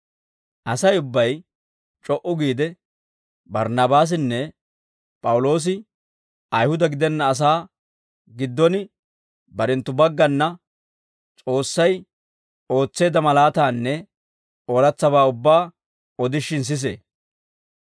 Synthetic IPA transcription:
ʔɐsɐjʊbːɐj | t͡ʃʼɔʔʊɡiːd̪ɛ | bɐɾnɐbaːs̬ɪnːɛ | pʼɐwʊlo̞ːs̬ɪ | ɐjhʊd̪ɐɡɪd̪ɛnːɐːs̬aː | ɡɪd̪ːɔnɪ | bɐɾɛnt̪ːʊbɐɡːɐnːɐ | t͡sʼo̞ːsːɐj | o̞ːt͡sːe̞ːd̪ɐmɐlaːt̪aːnːɛ | oɾɐt͡sːɐβaːʊbːaː | ɔd̪ɪʃɪns̬ɪs̬ḛː

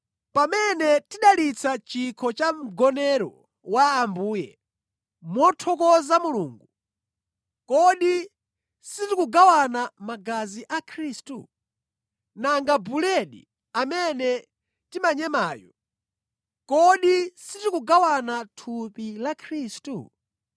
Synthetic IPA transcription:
pamɛnɛtiɗalit͡sʰat͡ʃikʰɔt͡ʃam̩ɡɔnɛɾɔ̰ | waːmbuːjɛ̰ | mɔtʰɔkɔzamuluːŋɡu | kɔɗi | sitikuɡawanamaɡaziʔakʰɾiːstṵ | naŋɡabulɛɗḭ | amɛnɛ | timaɲɛmaːjɔ̰ | kɔɗisitikuɡawanatʰupilakʰɾistṵ

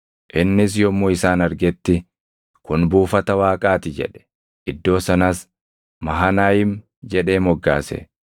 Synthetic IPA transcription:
ʔɪnːɪs̬jɔmoːɪsaːnɐɾɡɛt̪ːɪ | kʊnbuːfɐt̪ɐwaːkʼaːt̪ɪd͡ʒɛ̰ᶑɛ̥ | ʔɪd̪ːo̞ːsɐnɐs | mɐɦɐnaːjɪm | d͡ʒɛᶑe̞ːmɔɡːa̰ːsɛ̰

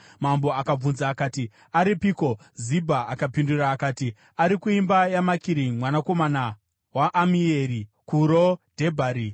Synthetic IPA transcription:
mambo̞akab͡vunzaːkaːti | aɾipiko̞ | zibʱaːkapinduraːkaːti | aɾikuimbajamakiɾiŋmwanako̞mana | waʔːmieɾikuɾod̥ʱe̞bʱaːɾi

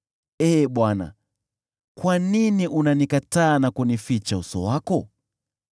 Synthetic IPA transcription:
ɛːɓwana̰ | kwaniniʔunanikataːnakunifit͡ʃausɔ̰wakɔ

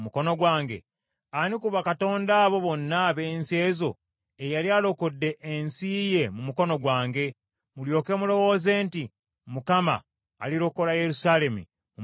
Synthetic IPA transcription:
muko̞no̞ɡwaːŋɡe̞̰ | anikuβakato̞ːndaːβo̞βo̞nːaβe̞ːnse̞ːzo̞ | ejaljalo̞kodːe̞ʔːnsiːje̞mumuko̞no̞ɡwaːŋɡe̞ | muljo̞ːke̞mulo̞wo̞ːze̞ːnti | mukama̰ː | liɾo̞ko̞laje̞ɾusaːle̞mḭ | mu

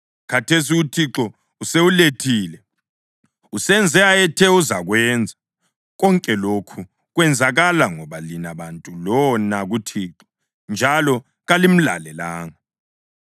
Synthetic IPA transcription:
kʰatʰes̬iutʰiǁɔ | useuletʰiːlɛ | usɛnd͡zʱɛaɛtʰɛuzaɣwɛːnd͡zʱa | ɣɔŋkʼɛlokʰu | ɣwɛnd͡zʱaɣalaŋɔβalinaβantʼulɔnaɣutʰiːǁɔ̥ | nd͡ʒʱalɔ | ɣalim̩la̰lɛlaːŋa

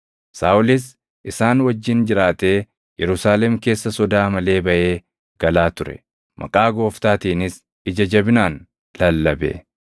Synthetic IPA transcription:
saːʔʊlɪs̬ | ʔɪsaːnwɐd͡ʒːɪnd͡ʒɪɾaːt̪e̞ː | jɛɾʊsaːlɛmke̞ːsːɐsɔd̪aːmɐle̞ːbɐʔe̞ː | ɡ̥ɐlaːt̪ʊɾɛ̰ | mʔɐ̰kʼaːɡo̞ːft̪aːt̪iːnɪs | ɪd͡ʒɐd͡ʒɐbɪnaːn | lɐlːɐbḛ

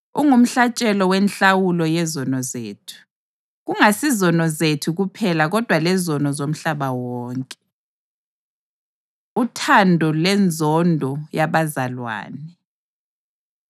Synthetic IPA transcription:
uŋum̩ɬat͡ʃʼɛlɔwɛnɬawulɔjɛzɔnɔzḛːtʰu̥ | ɣuŋasizɔnɔzetʰuɣupʰɛlaɣɔd̥ʱwalɛzɔnɔzom̩ɬaβawɔːŋkʼɛ | utʰandʱɔlɛnd͡zʱɔndʱɔjaβazalwa̰ːnɛ

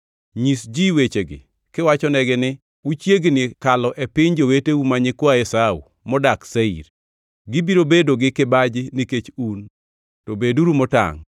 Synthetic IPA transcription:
ɲisd͡ʒiwet͡ʃeɡɪ̰ | kɪwat͡ʃɔnɛɡɪnɪ | ut͡ʃjeɡnɪkalɔʔepɪɲd͡ʒoweteumaɲɪkwaɛsaṵ | mɔdakseḭɾ | ɡɪbiɾobedoɡɪkɪbad͡ʒɪnɪket͡ʃun | tobeduɾumɔta̰ŋ

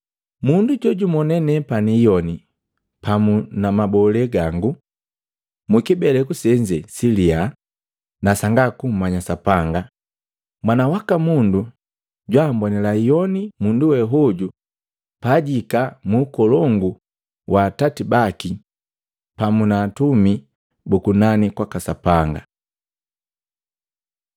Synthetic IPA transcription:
munduɟɔɟumɔnɛnɛpanijɔni | pamunamabɔlɛɡaŋɡu | mukibɛlɛkusɛɲd͡ʒɛsilia | nasaŋɡakum̩maɲasapaŋɡa | mwanawakamundu | ɟwambɔnɛlaijɔnimunduwɛɦɔɟu | paɟikamuːkɔlɔŋɡu | wʔaːtatibaki | pamunaːtumi | bukunanikwakasapaŋɡa

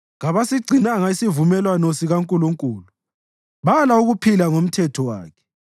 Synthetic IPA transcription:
ɣaβasiɡ͡ǀʱinaŋaisivumɛlwanɔsiɣaŋkʼuluŋkʼuːlu | βalauɣupʰilaŋom̩tʰɛtʰɔwa̰ːkʰɛ̥

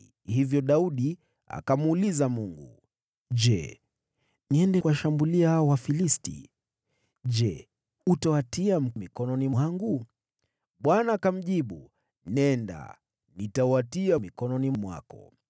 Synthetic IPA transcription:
hivjɔɗauɗi | a̰kamuːlizamuŋɡṵ | ʄɛ̰ | niɛndɛkwaʃambuliahaɔwafilistḭ | ʄd͡ʒɛ | utawatiam̩mikɔnɔniaŋɡu | ɓwanaːkam̩ʄiɓu | nɛnda̰ | nitawatiamikɔnɔnimwa̰kɔ̰

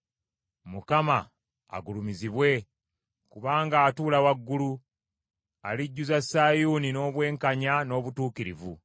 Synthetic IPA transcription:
mukama | a̰ɡulumiziβwe̞ | kuβaːŋɡaːtuːlawaɡːulu | a̰liɟːuzasːaːjuːnino̞ːβwe̞ːŋkaɲano̞ːβutuːkiɾivu

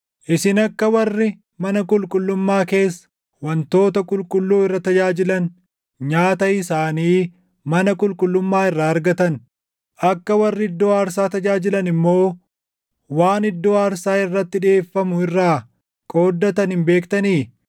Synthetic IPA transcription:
ʔɪsɪnɐkːɐwɐrːɪ | mɐnɐkʼʊlkʼʊlːʊmːaːke̞ːsːɐ̥ | wɐnt̪o̞ːt̪ɐkʼʊlkʼʊlːuːɪrːɐt̪ɐd͡ʒaːd͡ʒɪlɐn | ɲaːt̪ɐɪsaːniː | mɐnɐkʼʊlkʼʊlːʊmːaːɪrːaːɾɡɐt̪ɐn | ʔɐkːɐwɐrːɪɪd̪ːo̞ːaːɾsaːt̪ɐd͡ʒaːd͡ʒɪlɐnɪmːo̞ː | waːnɪd̪ːo̞ːaːɾsaːɪrːɐt̪ːɪᶑɪeːfːɐmʊɪrːaː | kʼo̞ːd̪ːɐt̪ɐnɪmbe̞ːkt̪ɐniː

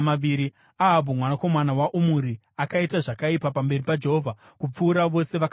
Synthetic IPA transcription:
maiɾi | aɦabʱumwanako̞manawaʔumuɾi | akaitaʐakaipapambe̞ripad͡ʒe̞ɦo̞vʱa | kup͡fuːɾaʋo̞se̞ʋak

